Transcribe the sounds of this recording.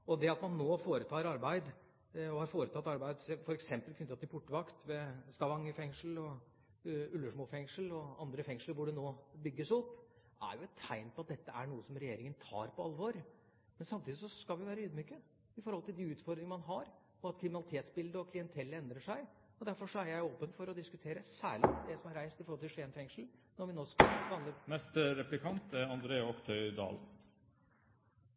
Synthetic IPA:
ɔd̪ɛɑt̪mɑnːoːfoːɾət̪ʰɑːɾɑɾbæɪd̪ | ɔhɑɾfoːɾət̪ʰɑt̪ːɑɾbæɪd̪sɛfɔɾɛksɛmpəlkʰʏnt̪ɑt̪ːɪpʰʊʈːəʋɑkt̪ʋɛst̪ɑʋɑŋːɪfɛŋʂəl̩ɔ | ʉlːəʂmuːfɛŋʂəlɔɑnd̪ɾəfɛŋʂləɾʋʊɖɛnoːbʏɡːəsɔpː | ʔæ̰ɾjʊɛt̪ʰːæɪnpʰɔɑt̪̚d̪ɛt̪ːəæɳuːəsɔmɾɛjeːɾɪŋənt̪ʰɑ̰ːɾpʰɔɑlːʋoːɾ | mɛnsɑmt̪ʰiːd̪ɪs̬ɔskɑlʋɪʋæːɾəyːd̪myːkə | ɪfɔɾhɔlt̪ɪld̪ɪʉːt̪fɔɾd̪ɾɪŋəmɑnɦɑɾ | ɔɑt̪kʰɾɪmɪnɑlɪt̪ʰeːt̪sbɪld̪əɔkʰlɪɛnt̪ʰɛlːəɛnd̪ɾəʂæɪ | ɔd̪æɾfɔʂɔæɾjæɪoːpənfɔɾɔd̪ɪskʉt̪ʰeːɾəsæ̰ːɭɪ̰d̪ɛsɔmæɾæɪst̪ɪfɔɾhɔlt̪ʰɪlʂeːnfɛŋʂl̩nɔɾʋɪnoːskɑɑlːənɛst̪ɾɛplɪkʰɑnt̪æɾɑnd̪ɾeːəɔkt̪ʰœʏd̪ɑ̰ːl

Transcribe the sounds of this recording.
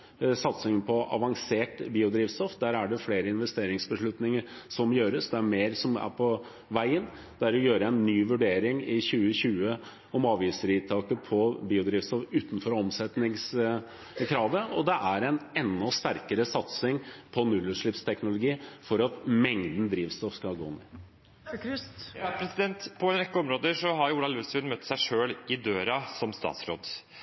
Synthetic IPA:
sɑt̪sɪŋəpʰɔɑ̰ʋɑŋseːʈbiːʊd̪ɾiːʋst̪ɔfd̪æːɾæɖɛfleːɾəɪnʋɛst̪eːɾɪŋsbəʂɭʉt̪nɪŋəɾsɔmjøːɾəsd̪ɛæmeːɾsɔmæ̰ɾpʰɔ | ʋæɪən | d̪̥ɛæɾɔjøːɾəæɪnːyːʋʉɖeːɾɪŋɪçʉːəɕʉːə | ɔmɑːʋiːsəɾɪt̪ʰɑːkəpʰɔbiːʊd̪ɾiːʋst̪ɔfʉːt̪n̩fɔɾɔmsɛt̪nɪŋs | kʰɾɑːʋəɔd̪ɛʔæɾɛɪnɛnːɔst̪æɾkəɾəsɑt̪sɪŋpʰɔnʉlːʉʂɭɪpst̪ʰɛknʊlʊɡiːfɔɾɑt̪mɛŋd̪n̩d̪ɾiːʋst̪ɔfskɑlɡo̰ːn | pʰɾɛsɪd̪ɛnt̪pʰɔɛnɾɛkːəɔmɾoːd̪əʂɔɦɑɾjuːlɑlʉsʋɪnmœt̪ːsæɪʂøːlɪd̪øːɾɑsɔmst̪ɑ̰ːt̪sɾo̰ːd̪

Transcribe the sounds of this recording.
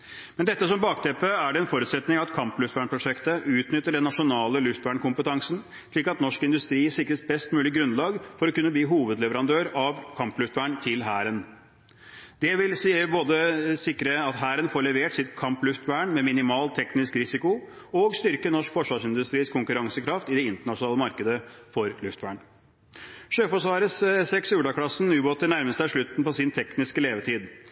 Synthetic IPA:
mɛnd̪ɛt̪ːəsɔmbɑːkt̪ʰɛpːəæɖɛɛnfɔɾʉːt̪sɛt̪nɪŋɑt̪kʰɑmplʉft̪ʋæːɳpʰɾʊʂɛkt̪əʔʉːt̪nʏt̪ːəɖɛnːɑʂʊnɑːləlʉft̪ʋæːɳkʊmpət̪ɑŋsən | ʂɭiːkɑt̪nɔʂkɪnd̪ʉst̪ɾiːsɪkɾəsbɛst̪mʉːlɪɡɾʉnlɑːɡfɔɾɔkʉnːəbliːɦuːʋəd̪lɛʋəɾɑnd̪øːɾɑʋkʰɑmplʉft̪ʋæːɳt̪ʰɪlɦæːɾən | d̪̥ɛʋɪlsiəboːd̪əsɪkɾəɑt̪ɦæːɾənfoːɾɭɛʋeːʈsɪt̪kʰɑmplʉft̪ʋæːɳmɛmɪnɪmɑːlt̪ʰɛknɪskɾɪsɪkʊ | ɔɡst̪ʏɾkənɔʂkfɔʂʋɑːʂɪnd̪ʉst̪ɾiːskʰʊŋkʉɾɑŋsəkʰɾɑft̪ɪd̪ɛɪnt̪əɳɑʂʊnɑːləmɑɾkəd̪əfɔɾlʉft̪ʋæːɳ | ʂøːfɔʂʋɑːɾəssɛksʉːɖɑkʰlɑsn̩ʉːboːt̪əɳæɾməst̪əæʂɭʉt̪n̩pɔsɪnt̪ʰɛknɪskəleːʋəʈʰiːd̪

